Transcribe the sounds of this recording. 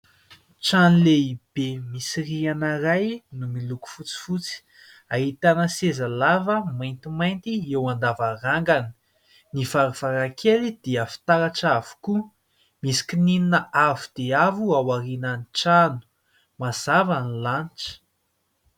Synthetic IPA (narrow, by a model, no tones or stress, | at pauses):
ʈ͡ʂanileib̥emisirianaɾajnumiluku̥fut͡si̥fut͡si̥ | aɦit̪anəsezalavəmajnt̪imajnt̪iewand̪avaɾaŋɡani̥ | nivaɾuv̥aɾakʰeɾid̪̥eəfi̥t̪aɾaʈ͡ʂavu̥ku | misi̥kinininəavud̪̥eavuawaɾinaniʈ͡ʂanu̥ | maz̥avanilanʈ͡ʂə̥